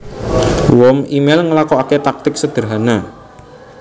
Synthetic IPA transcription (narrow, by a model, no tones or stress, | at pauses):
wɔmimelŋəlakɔaket̪ak̚t̪ɪk̚səd̪̥ə̤ɾɦana